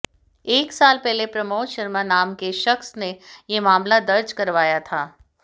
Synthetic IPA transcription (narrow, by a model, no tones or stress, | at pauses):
eːksaːlpɛɦlepɾɐmoːt̪ʃɐɾmanaːmkeʃɐxsnejemaːmlad̪ɐɾd͡ʒkɐɾʋaːjat̪ʰaː